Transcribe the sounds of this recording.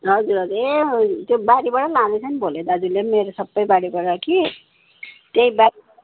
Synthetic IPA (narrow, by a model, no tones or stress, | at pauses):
ɦʌd͡zuɾɦʌd͡zuet̪jobaɽibaɽʌlãd̪et͡sʰʌnibʱoled̪ad͡zulemeɾosʌbːʌjbaɽibaɽʌki | t̪eĩba